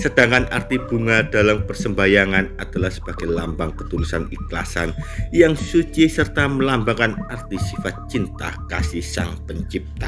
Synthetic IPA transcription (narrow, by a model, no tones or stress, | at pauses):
səd̥aŋkana̰rt̪ib̥uŋad̥alampərsəmbajaŋanad̥alahsə̥b̥aɡ̥ajlambaŋkət̪ulusanikla̰sa̰njaŋsut͡ʃisərt̪aməlambakanart̪isifat̪̚t͡ʃint̪a̰hkasisa̰ŋpəɲt͡ʃip̚t̪a